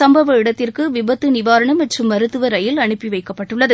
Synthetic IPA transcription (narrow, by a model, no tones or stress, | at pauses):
sɐmbɐʋɐɪɽɐt̪ːɪrkɯʋɪbɐt̪ːɯnɪʋaːɾɐɳɐmɐʈrɯmːɐɾɯt̪ːɯʋɐɾɐjɪlɐɳɯpːiʋɐɪkːɐpːɐʈːɯɭːɐðɯ